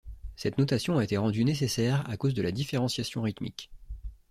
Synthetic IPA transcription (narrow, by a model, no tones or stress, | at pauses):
sɛt̪nɔt̪asjɔ̃aet̪eʁɑ̃d̪ynes̬esɛʁa̰kozd̪əlad̪ifeʁɑ̃sjasjɔ̃ʁit̪mḭk